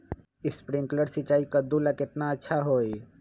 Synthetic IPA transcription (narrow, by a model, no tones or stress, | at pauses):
ɪspɾɪ̃ŋkləɾsɪt͡ʃːaːikad̪ulakɪt̪naɐtːʃʰaɦoːi